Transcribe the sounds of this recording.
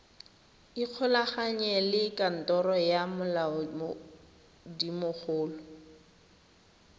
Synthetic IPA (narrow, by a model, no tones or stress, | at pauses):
iq͡χʰɔlaχaɲɛlɪkʼan̩tʼɔɾɔjamʊlaɔm | dimʊk͡xʰʊːlʊ